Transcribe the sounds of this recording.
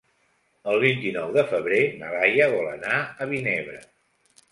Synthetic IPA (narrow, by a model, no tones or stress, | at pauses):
əlˠβint̪inɔwðəfəβɾenəɾajəβɔlənaəβineβɾə̰